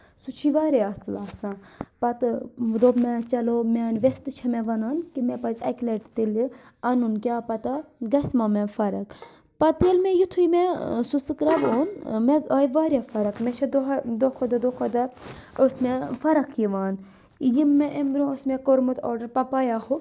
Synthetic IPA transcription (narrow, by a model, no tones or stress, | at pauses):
sut͡ʃʰiʋaːɾeɐslaːsãpɐt̪d̪oːbmẽt͡ʃɐloːmʲaːnʋest̪ɨt͡ʃʰɐmɛʋɐnaːnkimɛpɐzʲɐ̰kleʈt̪iliɐnunkʲjaːpɐt̪aɡɐsmamẽfɐɾɐk | pɐt̪elmẽjut̪ʰuimesusɨkɾɐboːnmẽaːiʋaːɾʲjafɐɾɐkmet͡ʃʰɐd̪oɦd̪okʰod̪ɐd̪oːkʰod̪ɐosmẽfɐɾɐkʰjiʋaːn | jimːẽʔemɾõsmẽkoɾmut̪o̰ːɾɖɐɾpɐpaːjaho